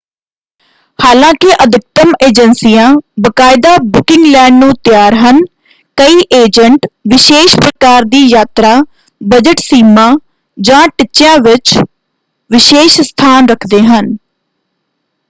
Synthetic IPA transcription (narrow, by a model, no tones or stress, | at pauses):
haːlãːkɪʔəd̪ʱɪk̚t̪əmeːd͡ʒənsijãːbəkaːɪd̪aːbʊkɪ̃ŋɡlɛ̃ːɳɖnũːt̪ɪjaːɾɦən | kəiːʔeːd͡ʒəɳʈʋɪʃeːʃpɾəkaːɾd̪iːjaːt̪ɾaː | bəd͡ʒəʈsiːmãː | d͡ʒãːʈɪt͡ʃːɪjãːʋɪt͡ʃ | ʋɪʃeːʃst̪ʰaːnɾəkʰd̪eːɦən